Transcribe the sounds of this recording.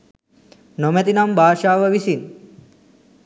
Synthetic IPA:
nomet̪inɐmbʱaːʃaːʋɐʋisin

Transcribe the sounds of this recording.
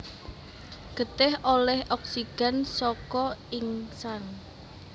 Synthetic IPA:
ɡ̥ə̤t̪ɪholɛhʔɔk̚siɡ̥a̤nsɔkɔiŋsan

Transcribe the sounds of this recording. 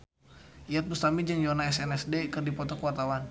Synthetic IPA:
ʔiat̪̚must̪amid͡ʒəŋjɔnaɛsɛnɛsdekɨrdipɔt̪ɔkuwart̪awan

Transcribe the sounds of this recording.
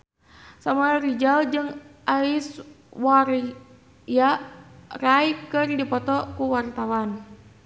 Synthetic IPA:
samuarid͡ʒald͡ʒɨŋʔais | war | ja | raikɨrdipɔt̪ɔkuwart̪awan

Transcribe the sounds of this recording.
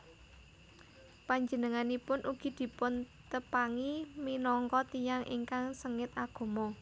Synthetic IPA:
paɲd͡ʒənəŋanipʊnʔuɡ̥i̤d̪̥i̤pʊn | t̪əpaŋiminɔŋkɔt̪ijaŋʔḭŋkaŋsəŋɪt̪aɡ̥o̤mɔ

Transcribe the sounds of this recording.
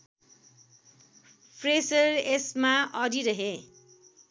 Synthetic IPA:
pʰresʌɾesmaʔʌɾiɾʌɦe

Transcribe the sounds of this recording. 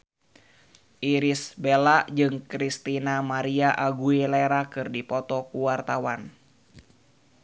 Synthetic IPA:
ʔiɾisbelaʔd͡ʒɨŋkɾist̪inamaɾiaʔaɡuilɛɾakɨrdipɔt̪ɔkuwart̪awan

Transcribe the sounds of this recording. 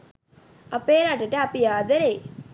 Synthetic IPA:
ɐpeːɾaːʈəʈɐɐpijaːd̪ɐɾeː

